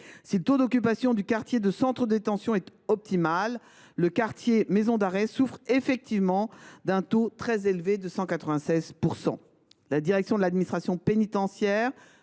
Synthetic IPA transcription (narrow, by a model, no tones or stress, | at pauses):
silət̪od̪ɔkʲypasjɔ̃d̪ykaʁt̪jed̪əsɑ̃t̪χəd̪et̪ɑ̃sjɔ̃ɛt̪ɔp̚t̪imalː | əkaʁt̪jemezɔ̃d̪aʁɛsufχefɛk̚t̪ivmɑ̃d̪ɛ̃t̪ot̪χɛzelved̪əsɑ̃kat̪χəvɛ̃sɛzpuʁsɑ̰̃ | lad̪iʁɛksjɔ̃d̪əlad̪minist̪χasjɔ̃penit̪ɑ̃sjɛʁ